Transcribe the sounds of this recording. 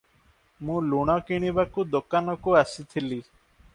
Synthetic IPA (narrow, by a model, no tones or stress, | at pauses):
mũluɽ̃ɔkiɽ̃ibakud̪okanɔkuasit̪ʰili